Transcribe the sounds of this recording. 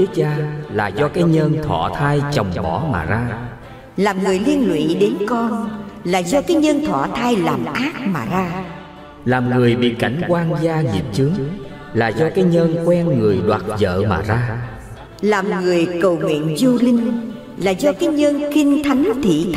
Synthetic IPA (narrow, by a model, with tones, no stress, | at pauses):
i˦˥k̚t͡ɕaː˧la̰ː˨˩zɔ˧kaː˨˦jɲə˧nt̪ʰwɔ̰˧˨t̪ʰaː˧jt͡ɕə˨˩wŋ͡mɓɔ̰˧˩˦ma̰ː˨˩zaː˧ | laː˨˩mŋɨ˨˩əjli˧ənlwḭ˧˨ɗe˨˦nkɔ˧nlaː˨˩zɔ˧kaː˨˦jɲə˧nt̪ʰwɔ˧˩˨t̪ʰaː˧jlaː˨˩mʔaː˦˥t̚maː˨˩zaː˧ | laː˨˩mŋɨ˨˩əjɓḭ˧˨ka˧˩jŋ̟kwaː˧nzaː˧zḭ˨˩t̚t͡ɕɨ˨˦əŋ | laː˨˩zɔ˧kaː˨˦jɲə˧nkwɛ˧nŋɨ˨˩əjɗwaː˨˩t̚zə̰ː˧˨ma̰ː˨˩zaː˧ | laː˨˩mŋɨ˨˩əjkə˨˩wŋwḭ˧˨ənzu˧lï˧ŋ̟ | laː˨˩zɔ˧kaː˨˦jɲə˧nxï˧ŋ̟t̪ʰa˨˦jŋt̪ʰḭ˧˨